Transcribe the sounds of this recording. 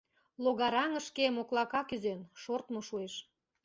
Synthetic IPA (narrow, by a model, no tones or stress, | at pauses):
loɣɑɾɑŋə̆ʃkemoklɑkɑkyzenʃort̪moʃueʃ